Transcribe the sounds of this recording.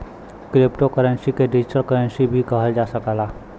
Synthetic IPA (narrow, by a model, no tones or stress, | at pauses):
kɾɪpʈokəɾə̃nsikeɖɪd͡ʒɪʈəlkəɾə̃nsibʱikəɦəld͡ʒaːsəkalaː